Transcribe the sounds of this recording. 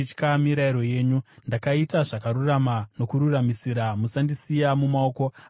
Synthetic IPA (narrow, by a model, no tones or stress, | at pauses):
it͡ʃkamiɾaiɾo̞je̞ːɲundakaitaʐakaɾuramano̞kuɾuramisiɾamusandisijamumao̞ko̞